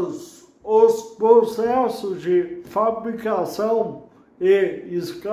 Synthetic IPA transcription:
ospɾosɛsʊd͡ʒɪfabɾikasɐ̃w̃ | eiska

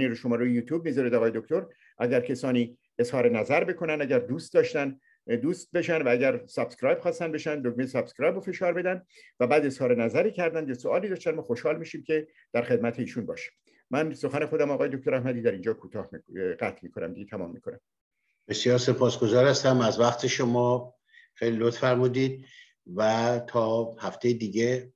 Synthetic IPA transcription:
niːɾoʃo̞mɒːɾujjuːt̪ʰjuːb̚miːzɒɾed̪ɒːɣːje̞d̪ok̚t̪ʰoɾ | ʔæɟæɾcʰesɒːniː | e̞zhɒːɾe̞næzæɾbe̞kʰo̞nænd̪æɟæɾd̪uːst̪̚d̪ɒːʃt̪æn | d̪uːst̪̚be̞ʃænd̪vææɟæɾsæb̥skɾɒːjb̥xɒːst̪ænbe̞ʃænd̪loɡmejesæb̥skɾɒːjbofe̞ʃɒːɾbe̞d̪ænd̪ | væbæːd̪e̞z̥hɒːɾe̞næzæɾiːcʰæɾd̪ænd̪jesoɒːliːd̪ɒːʃt̪ænmɒːxoʃhɒːlmiːʃiːmcʰe̞ | d̪̥æɾxe̞d̪̚mæt̪ʰe̞iːʃunbɒ̰ːʃi̥m | mænso̞xæne̞xo̞d̪æmɒːɣɒːjed̪oc̚t̪oɾæhmæd̪iːd̪æɾiːnd͡ʒɒːkʰuːt̪ʰɒːhmɢæt̪ʰmiːkʰo̞næ̰md̪iɟet̪ʰæmɒ̰ːmːikʰo̞næm | b̥e̞sjɒːɾse̞pʰɒːsɡozɒːɾhæst̪æmæzvæχt̪ʰeʃomɒː | xejlilot̪fæɾmuːd̪iːd̪̚ | væt̪ʰɒːhæft̪ʰejed̪iːɡe

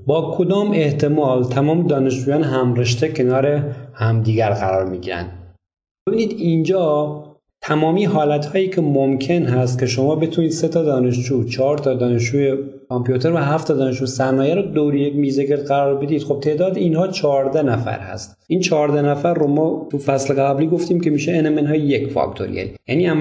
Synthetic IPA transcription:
bɒːkʰo̞d̪ɒːme̞ht̪ʰe̞mɒːlt̪ʰæmɒːmed̪ɒːne̞ʃd͡ʒuːjɒːneɦæmɾeʃt̪ecʰe̞nɒːɾehæmd̪iːɡæɾɣæɾɒːɾmiːɡḭɾæ̰nd̪̥ | b̥ebiːniːd̪ind͡ʒɒː | t̪ʰæmɒːmiːɦɒːlæt̪hɒːjiːcʰe̞momkʰe̞nɦæst̪̚kʲʰe̞ʃo̞mɒːbe̞t̪ʰuːniːd̪̥se̞t̪ʰɒd̪ɒːne̞ʃd͡ʒuːt͡ʃʰɒːɾt̪ʰɒːd̪ɒːne̞ʃt͡ʃuːje | kʰɒmpʰijut̪ʰe̞ɾvæɦæft̪ʰɒd̪ɒːneʃuːjsæɾnɒːjæɾɔd̪owɾijekmiːzeke̞ɾd̪ɢæɾɒːɾbe̞d̪iːd̪xo̞b̚t̪ʰe̞ːd̪ɒːd̪einhɒːt͡ʃʰɒːɾd̪ænæfæ̰ɾhæ̰st̪ʔiːnt͡ʃʰɒːɾd̪ænæfæɾːomɒːt̪ʰufæsleɣææbliːɡo̞ft̪iːmce̞miːʃeːnemenɦɒːjejekfɒ̰kt̪ʰo̰ɾḭʔḛljæniːæm

